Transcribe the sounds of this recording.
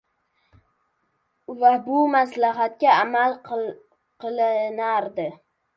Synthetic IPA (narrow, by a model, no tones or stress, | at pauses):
vabʊmaslaɦat̪̚kʲaamalˠ | qʰɨlˠɪnaɾd̪ɪ